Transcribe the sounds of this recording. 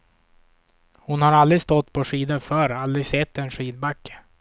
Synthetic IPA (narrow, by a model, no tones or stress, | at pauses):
hʊnhaɾald̪ɾɪɡst̪ɔt̪ːpʰɔʂiːd̪ənfœɾald̪ɾɪsɛt̪ːɛnʂiːd̪bakːə̥